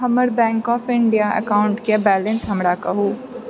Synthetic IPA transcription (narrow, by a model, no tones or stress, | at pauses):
ɦɐməɾbɛ̃ːŋkɔːpʰɪ̃ɳɖijaə̰kaːʊ̃ɳʈkjabɛːlə̃nsɦɐmɾakɐɦuː